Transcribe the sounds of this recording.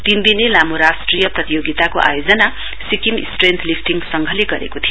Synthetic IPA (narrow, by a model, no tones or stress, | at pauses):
t̪ind̪inelamoɾasʈrijʌprʌt̪ijoɡit̪akoʔa̰jod͡zʌna | sikimḭsʈrent̪ʰlipʰʈiŋsʌŋɡʱʌleɡʌɾḛkot̪ʰijo